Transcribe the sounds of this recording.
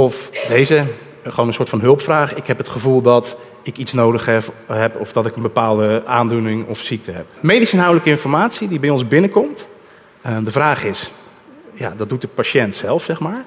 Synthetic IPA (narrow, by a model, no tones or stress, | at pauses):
ɔfdejzə | χəownənsoːtfɑnɦɵlˠpfraːχɪkɦɛpɦətχəvulˠdɑt | ɪkitsnowdəχɛɦɛpɔvdɑtɪkənbəpaːlˠdəaːndunɪŋɔfsik̚təɦɛpmejdisɪnɦawdələkəɪnfɔɹmaːtsidibɛjɔnzbɪnəkɔmt | dəvraːχɪs | ja̰dɑt̚dut̚dəpaʃɛntsɛlˠfsɛχmaːɹ